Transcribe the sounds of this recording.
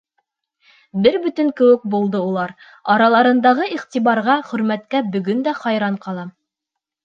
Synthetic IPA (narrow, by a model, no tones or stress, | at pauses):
bɘɾbɵ̆t̪ɘŋkɘ̆wɘk̚bulˠd̪ɤulˠɑɾ | ɑɾɑlˠɑɾɤ̆nd̪ɑʁɤiqt̪iβɑɾʁɑχɵ̆ɾmæt̪kæbɵ̆ɡɵnd̪æχɑjɾɑɴqɑlˠɑ